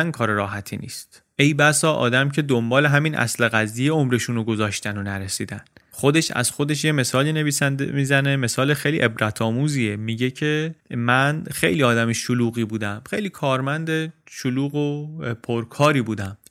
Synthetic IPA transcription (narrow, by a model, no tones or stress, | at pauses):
nkʰɒːɾeɾɒːɦæt̪ʰḭːnḭːst̪ | e̞jbæsɒːʔɒ̰ːd̪æmcʰe̞d̪ombɒːleɦæminʔæ̰sleɣæzijeomɾe̞ʃuːnoɡo̞zɒːʃt̪ænonæɾesiːd̪æn | xod̪e̞ʃæ̰z̥xo̞d̪e̞ʃ̬jeme̞sɒːliːneviːsænmiːzæne̞me̞sɒːlexejlḭʔe̞bɾæt̪ʰɒːmuːziːemiɟe̞cʰe̞mænxe̞̰jliːɒːd̪æmiʃoluːɣiːbuːd̪æmxe̞jliːkʰɒːɾmænd̪eʃoluːɣopʰoɾkʰɒːɾiːbuːd̪æm